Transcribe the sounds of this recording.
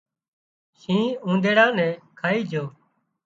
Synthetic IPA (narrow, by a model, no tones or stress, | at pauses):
ʃĩːũːnd̪ʱeːɽãːnɛ̃ːkʰaːiːd͡ʒʱoː